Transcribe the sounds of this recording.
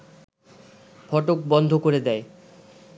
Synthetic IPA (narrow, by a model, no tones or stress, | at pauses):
fɔʈok̚bɔnd̪ʱokoɾed̪ɛe